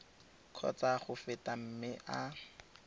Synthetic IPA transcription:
kʰɔ̰t͡saχʊfɪtam̩mɪʔa

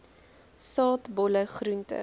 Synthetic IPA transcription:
sɑːtbɔləχruntə̰

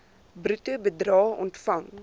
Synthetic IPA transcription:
brʉtəbədrɑːɔ̰ntfɐŋ

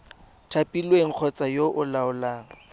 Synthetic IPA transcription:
tʰapʼilweŋ̩k͡xʰɔt͡sʼajoʔʊlaʊlaːŋ̩

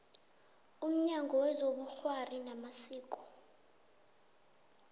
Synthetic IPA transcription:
um̩ɲaŋɡʱɔwɛzoɓuxwarinamasiːkʼɔ̥

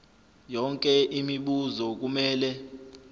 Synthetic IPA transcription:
jɔŋkʼɛʔimiɓuzɔk̬umɛːlɛ

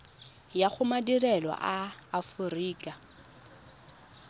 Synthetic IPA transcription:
jaχʊmadirɛlwa̰ʔaːfʊriːkʼa

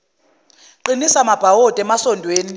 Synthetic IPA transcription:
ǃinisamab̥ʱawɔd̥ʱɛmasɔndʱweːni

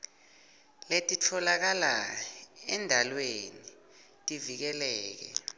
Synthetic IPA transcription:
letʼitʰɔlak̬ala | ɛndʱalweni | tʼivik̬ɛlɛːk̬ɛ̰

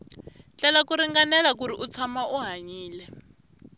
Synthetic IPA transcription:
t͡ɬɛlakuɾiŋɡanɛlak̬uɾiʔut͡sʰamaʔuɦaɲiːlɛ

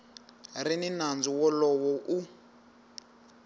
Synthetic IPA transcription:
rininand͡zuwɔlɔwɔʔu

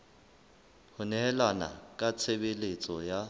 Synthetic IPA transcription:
hʊnɛɦɛlwana̰kʼat͡sʰebelet͡sʼɔja

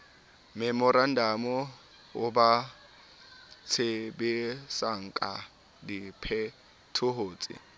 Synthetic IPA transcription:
mɛmɔɾan̩damɔ | ʊba | t͡sʰebesaŋ̩kʼa̰ | dipʰɛ | tʰʊɦoːt͡sʼɪ̰

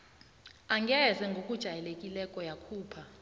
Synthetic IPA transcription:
aŋɡʱɛzɛŋɡʱokʼud̥ʒ̥ʱajɛlekʼilɛkʼɔjakʰuːpʰa

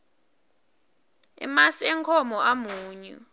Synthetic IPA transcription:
ɛ̰masiɛŋkʰɔmɔʔamuːɲṵ

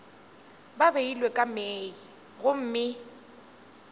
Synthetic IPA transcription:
babeilwekʼamei | ɣʊm̩ːmɪ

